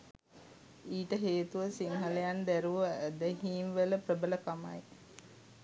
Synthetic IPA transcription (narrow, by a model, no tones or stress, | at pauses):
iːʈəɦeːt̪uʋəsiŋɦələjand̪æɾuʋəːd̪əɦiːmʋələprəbələkama̰j